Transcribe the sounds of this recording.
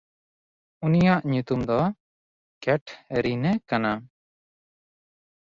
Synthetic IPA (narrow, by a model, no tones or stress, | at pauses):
unijaʔɲut̪umd̪ɔ | kɛʈʰɾinɛkana